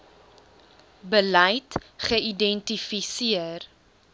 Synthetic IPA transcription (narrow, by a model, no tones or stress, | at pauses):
bəlɐjtχəidɛntifisiər